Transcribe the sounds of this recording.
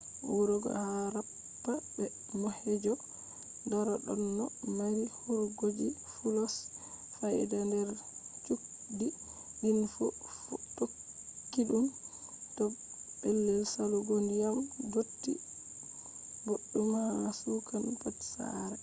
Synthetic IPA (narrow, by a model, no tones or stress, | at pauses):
wuɾɔɡɔ̰haɾapː | abɛ | mɔhɛd͡ʒɔ | daɾɔɗɔ̰nːɔmaɾihuɾɡod͡ʒi | fulɔs | fajdandɛɾt͡ʃuk | diɗinfuftokːiɗumtɔ | bɛlːɛlsaluɡondijamɡotːḭ | boɗːumahaasukanpɔtsa̰ɾɛ